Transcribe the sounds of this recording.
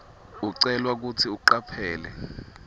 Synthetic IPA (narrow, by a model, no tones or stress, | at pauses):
uǀɛlwak̬utʰiuǃapʰɛːlɛ